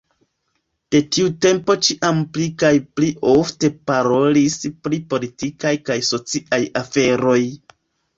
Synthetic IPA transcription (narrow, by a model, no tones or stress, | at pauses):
d̥e̞tiute̞mpo̞t͡ʃiʔamplikajpliʔofte̞paɾo̞lispɾipo̞litikajkajso̞t͡siʔajafe̞ɾo̞j